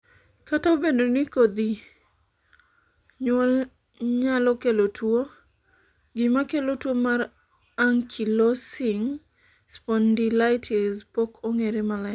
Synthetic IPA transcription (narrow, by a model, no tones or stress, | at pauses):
katobendonɪkod̪i | ɲwɔl | ɲalɔkelotʰwo | ɡɪmakelotwomaɾ | aŋkʰilosiŋ | spɔndilaɪtʰɪzpokoŋeɾemala